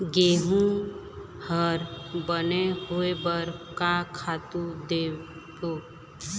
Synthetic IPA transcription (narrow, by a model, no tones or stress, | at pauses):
ɡeːɦũ | həɾbəneɦʊebəɾkakʰaːt̪ud̪eː | bo